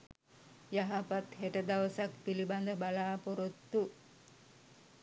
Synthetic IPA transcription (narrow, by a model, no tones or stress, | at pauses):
jaɦapat̪heʈəd̪aʋəsak̚piliband̪əbalaːpoɾot̪ːu